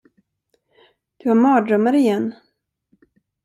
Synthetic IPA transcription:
d̪̥ɵhaɾmɑːd̪ɾœmaɾɪjɛnː

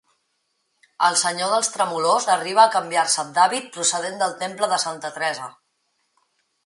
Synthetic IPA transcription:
əlˠsəɲoðəlˠst̪ɾəmulozəriβ̞əːkəmbiarsəd̪aβit̪̚pɾusəðend̪əlˠt̪empləðəsant̪ət̪ɾɛzə

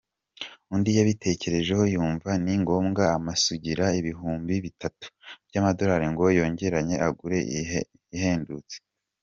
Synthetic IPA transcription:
undijaβitʰe̞ce̞ɾe̞ʒe̞ho̞juːɱvaniŋɡo̞ːmɡaːmasuɟiɾaiβiɦuːmbiβitatu̥b̥jamado̞ɾaːɾiŋɡo̞jo̞ːɲɟe̞ɾaɲe̞ʔaɡuɾe̞ | ihe̞ːndut͡se̥

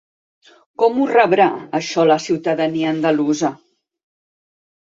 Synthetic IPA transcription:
kɔmurəβɾaəʃɔləsiwt̪əðəniəːnd̪əluzə

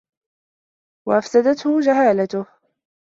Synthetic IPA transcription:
waʔafsad̪at̪hʊd͡ʒaɦaːlat̪ʊh

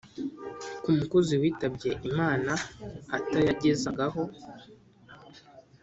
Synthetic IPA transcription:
kumukuziwiːtabɟe̞ʔimaːnaatajaɟezaɡaɦo̞

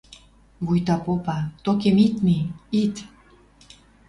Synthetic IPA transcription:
βujt̪ɑpopɑt̪okemit̪miit̪

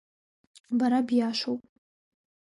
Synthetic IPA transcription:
baɾabjaʃʷowpʼ

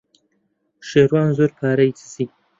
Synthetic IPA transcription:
ʃeːɾwaːnzoːɾpʰaːɾɐjt̪ʰɨ̥siː

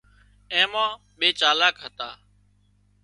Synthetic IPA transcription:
ẽːmãː | ɓeːt͡ʃaːlaːkɦət̪aː

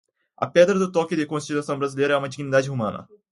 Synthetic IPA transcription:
ɐ̰pɛd̪ɾɐd̪ʊt̪ɔkɪd̪ɪkõst͡ʃit̪uasɐ̃w̃bɾazilejɾɐɛũmɐd͡ʒiɡinid̪ad͡ʒɪɦomɐ̃nɐ̰

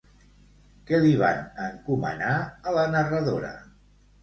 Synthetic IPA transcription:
kɛliβ̞a̰nəŋkumə̰naələnərəðoɾə̰

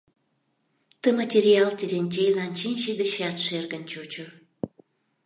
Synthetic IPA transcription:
t̪ə̆matʲeɾʲiɑlt̪ʲeɾʲenʲt͡ɕejlɑnʲt͡ɕinʲʃid̪ə̆ʃɑt̪ʃerɡə̆nt͡ɕot͡ɕŏ

